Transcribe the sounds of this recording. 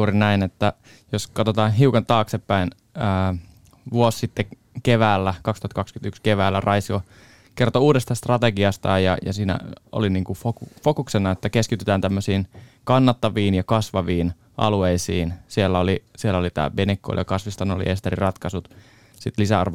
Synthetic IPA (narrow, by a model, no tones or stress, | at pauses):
uːɾinæinet̪ːæ | joskɑt̪ot̪ɑːnɦiukɑnt̪ɑːksepːæin | əː | ʋuosːit̪ːe | keʋæːlːækɑkst̪uhɑt̪kɑkskynt̪ykskeʋæːlːærʔɑisio | kert̪ouːdest̪ɑst̪rɑt̪eɡiɑst̪ɑ̰ːjjɑ̰jɑ̰siːnæ̰ʔo̰liniːŋkufokufokuksenːɑet̪ːækeskit̪yt̪æːnt̪æmːøsiːnkɑnːɑt̪ːɑʋiːnjɑkɑsʋɑʋiːn | ʔɑ̰lueisiːnsielːæolisielːæolit̪æ̰ːbenekːo̰ljɑ̰kɑsʋist̪ɑno̰lḭʔest̪erirɑt̪kɑsut̪ | sit̪lisæɑ̰rʋ